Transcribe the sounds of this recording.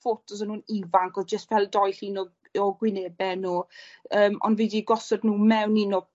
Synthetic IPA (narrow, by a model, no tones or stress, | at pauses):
fotʰɔs̬ənhuːnivaŋkɔd͡ʒəstvɛlˠdɔjɬiːnɔ | ɔɡwɪneːbɛnoːəːmɔ̰ndvidiɡɔsɔdnuːmɛwniːnɔ